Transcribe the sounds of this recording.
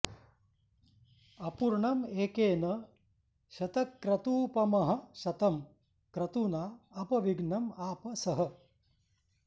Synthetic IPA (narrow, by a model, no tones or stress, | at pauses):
ɐpuɾɳɐmeːkeːnɐ | ʃɐt̪ɐkːɾɐt̪uːpɐmɐɦɐ̆ʃɐt̪ɐm | kɾɐt̪unaːɐpɐʋiɡɳɐmaːpɐsɐɦɐ̆